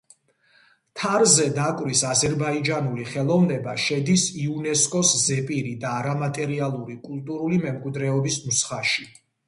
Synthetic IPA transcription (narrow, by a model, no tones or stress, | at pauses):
t̪ʰaɾzɛd̪akʼwɾisazɛɾbaid͡ʒanuliχɛlˠɔvnɛbaʃɛd̪isiunɛskʼɔszɛpʼiɾid̪aːɾamat̪ʼɛɾialˠuɾikʼulˠt̪ʼuɾulimɛmkʼwid̪ɾɛɔbismusχaʃi